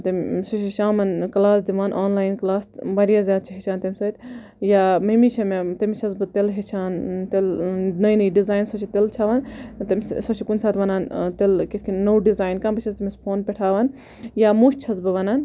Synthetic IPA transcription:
t̪ɐmsot͡ʃʰiʃaːmɐnklaːsd̪iʋaːnʔaːnlaːjnklaːsbɐɾijazjaːd̪̚t͡ʃʰiɦit͡ʃʰaːnt̪ɐmʲsɐt̪ʲ | jaːmemit͡ʃʰɐmet̪ɐmit͡ʃʰɐzbɨt̪elɦet͡ʃʰaːnt̪elnɐjnɐjɖizaːjnsot͡ʃʰit̪elt͡ʃʰaːʋaːnt̪ɐmʲssɐt͡ʃʰikunʲsaːt̪ʋɐnaːnt̪elkit̪kʰinnowɖizaːjnkɐmbɨt͡ʃʰɐst̪ɐmʲispʰoːnpeʈʰaːʋaːn | jaːmuʃt͡ʃʰɐzbɨʋɐnaːn

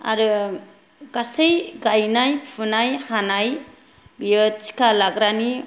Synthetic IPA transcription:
a̰ɾɯ | ɡasejɡajnajpʰunajhanaj | bijət͡ʃi̥kalaɡɾani

